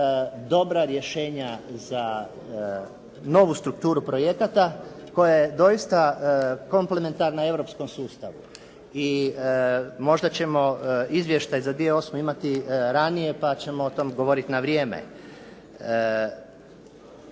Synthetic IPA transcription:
d̪o̞bɾaɾje̞ʃe̞ːɲaza | no̞ʋust̪ɾuk̚t̪uːɾupɾo̞je̞kat̪a | ko̞jajed̪o̞ist̪ako̞mple̞me̞nt̪aɾnae̞ʋɾo̞psko̞msuːst̪a̰ʋu | i | mo̞ʒd̪at͡ɕe̞mo̞izʋje̞ʃt̪ajzad̪ʋije̞o̞smoimat̪iɾanije̞pat͡ɕe̞mo̞ot̪o̞mɡo̞ʋo̞ɾit̪inaʋɾje̞ːmḛ

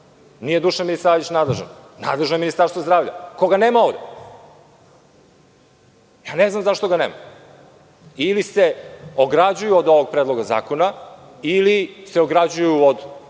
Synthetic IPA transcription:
nijed̪uʃaminisaːʋit͡ɕnaːd̪leʒna̰nna̰d̪le̞ʒnoeminist̪aɾst̪vozd̪ɾaːvʎa̰koɡaneːmaovd̪e | jaːneznamzaʃt̪oɡanḛːma̰ | iliseoɡɾad͡ʑujuod̪o̞ʋoɡ̚pɾeːd̪lˠo̞ɡaza̰ːkona | iliseoɡɾad͡ʑujuod̪

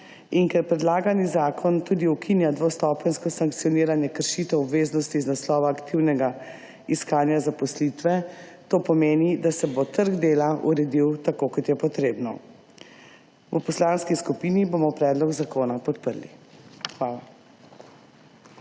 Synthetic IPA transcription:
iŋkɛɾpɾɛd̪laːɡanizaːkʰɔnt̪uːd̪iukʰinjad̪ʋost̪ɔːpɛnskɔsaŋkt̪sijɔniːɾanjɛkəɾʃit̪ɛɔbʋeːznɔst̪iznaslɔːʋaːkt̪iwnɛɡa | iskaːnjazapɔslit̪ʋɛt̪oːpɔmeːnid̪asɛbot̪əɾɡd̪eːlaʔṵɾɛd̪iwt̪akoːkɔt̪jɛpɔt̪ɾeːbnɔ̰ | pɔslaːnskiskupiːniboːmɔpɾɛːd̪lɔɡzakoːnapɔt̪pəɾlḭxʋaːla

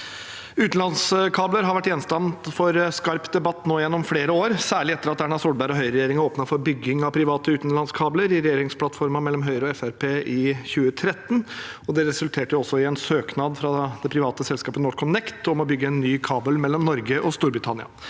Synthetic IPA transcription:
ʉːt̪n̩lɑnskʰɑːbləɾɦɑɾʋæʈːjɛnst̪ɑmt̪fɔɾskɑɾpd̪ɛbɑt̪ːnoːjɛnːɔmfleːɾəoːɾsæːɭɪɛt̪ːəɾɑt̪æɳɑsuːɖbæɾɔɦœʏɾɛjeːɾɪŋoːpnɑfɔɾbʏɡːɪŋɑpʰɾɪʋɑːt̪əʉːt̪nlɑnskʰɑːbləɾɪɾɛjeːɾɪŋspʰlɑt̪fɔɾmɑmɛlːɔmɦœʏɾəɔɛfæɾpʰeːʔɪçʉːət̪ʰɾɛt̪ːnɔd̪ɛɾɛsʉlt̪ʰeːʈəjʊɔsːɔɪɛnsøːknɑd̪fɾɑd̪̥ɛpʰɾɪʋɑːt̪əsɛlskɑːpənɔːʈkʰɔnɛkt̪ɔmɔbʏɡːəɛnːyːkʰɑːbəlmɛlːɔmnɔɾɡəʔɔst̪uːɾbɾɪt̪ʰɑnɪɑ̰

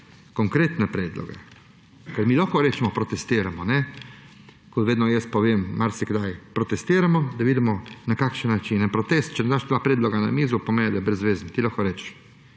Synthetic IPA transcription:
koŋkɾeːt̪nɛpɾɛːd̪lɔ̰ɡɛ̰ | kəɾmiːlɔkɔɾɛt͡ʃɛmɔpɾɔt̪ɛst̪iːɾamɔnɛ | kɔt̪ʋeːd̪nɔjɛst̪̚pɔʋeːmːaɾsiɡd̪ajpɾɔt̪ɛst̪iːɾamɔd̪aʋiːd̪imɔnakakʃənːat͡ʃinɛnpɾɔt̪est̪̚t͡ʃɛnɛd̪aːʃd̪ʋaːpɾɛːd̪lɔɡana̰miːzupɔmeːnid̪abɾɛzːʋeːznt̪ilaxkɔɾɛt͡ʃ

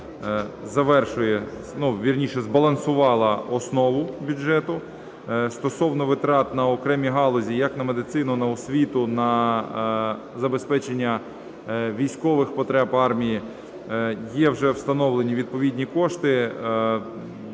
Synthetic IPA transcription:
zɐʋɛrʃʊjɛ | nuʋʲirnʲiʃɛzbɐlˠɐnsʊʋɑlˠɐɔsnɔʋʊbʲʊdʒɛt̪ʊ | st̪ɔsɔwnɔʋɪt̪ɾɑt̪nɐɔkɾɛmʲiɦɑlˠɔzʲijɐknɐmed̪ɪt̪sɪnʊnɐɔsʲʋʲit̪ʊnɐ | zɐbespɛt͡ʃenʲːɐ | ʋʲijsʲkɔʋɪxpɔt̪ɾɛpɑrmʲiji | jɛwʒɛwst̪ɐnɔʋlˠenʲiʋʲid̪̚pɔʋʲidʲnʲikɔʃt̪ɪ

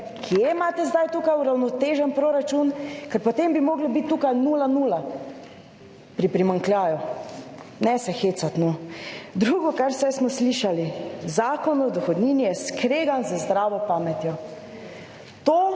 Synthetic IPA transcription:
kʰijemaːt̪ɛzd̪ajt̪ukajuɾawnɔt̪eːʒɛnpɾoːɾat͡ʃunkɛɾpɔt̪embimoːɡlibit̪ːuːkajnuːlanuːla | pɾipɾimaŋklʲjaːju | nɛsɛxeːt̪sat̪nod̪ɾuːɡɔkaɾwsɛjsmɔsliːʃalizaːkɔnɔd̪ɔxɔd̪niːnijɛskɾeːɡanzəzd̪ɾaːʋɔpaːmɛt̪jɔ | t̪oː

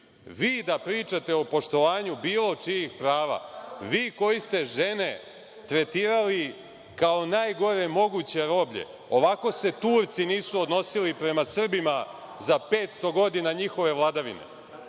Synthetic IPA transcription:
ʋiːd̪apɾiːt͡ʃat̪e̞o̞po̞ʃt̪o̞ʋaːɲubiːlˠo̞t͡ʂijixpɾaːʋa̰ʋiːko̞jist̪e̞ʒe̞ne̞ | t̪ɾe̞t̪iːɾali | kao̞naːjɡo̞ɾe̞mo̞ɡut͡ɕe̞ɾo̞bʎḛ | o̞ʋako̞se̞t̪uːɾt̪siniːsuod̪no̞silipɾe̞masr̩bima | zapeːt̪st̪o̞ɡo̞d̪inaɲixo̞ʋe̞ʋlˠad̪aʋḭnḛ

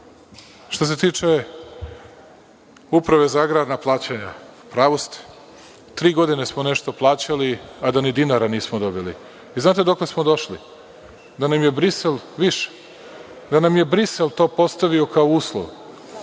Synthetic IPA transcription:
ʃt̪o̞s̬e̞t̪iːt͡ʂe̞ | upɾaʋe̞zaːɡɾaːd̪naplˠaːt͡ɕaɲapɾaʋost̪i̥ | t̪ɾiːɡo̞d̪inesmone̞ʃt̪o̞plˠaːt͡ɕaliad̪anid̪inaɾaniːsmod̪o̞bilḭ | iznaːt̪e̞d̪o̞kle̞smod̪o̞ʃli | d̪anamje̞bɾiselʋiʃe̥ | d̪anamje̞bɾiselt̪o̞ːpo̞st̪aʋio̞kaouːslˠo̰ʋ

